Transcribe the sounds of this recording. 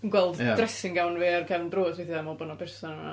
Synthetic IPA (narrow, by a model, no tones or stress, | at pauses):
ənɡwɛlˠddrɛsɪŋɡawnveːrkʰɛvndroːseθiðamɔbʊnɔpʰɛrsɔna̰